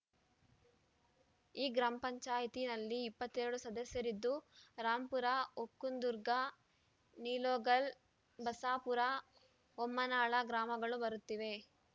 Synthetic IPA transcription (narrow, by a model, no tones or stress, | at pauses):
iːɡɾaːmɐpɐɲt͡ʃaːjit̪inɐlːiːpːɐt̪ːeːɾɽusɐd̪ɐsjɐɾid̪ːuɾaːmpuɾaokːund̪uɾɡa | niːloːɡɐl | bɐsaːpuɾa | omːɐnaːɭɐɡɾaːmɐɡɐɭubɐɾut̪ːiʋe̞